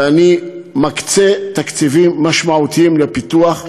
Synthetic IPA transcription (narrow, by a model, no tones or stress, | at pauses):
animakt͡set̪akt͡sivimːaʃmaut̪iimlepit̪uaχ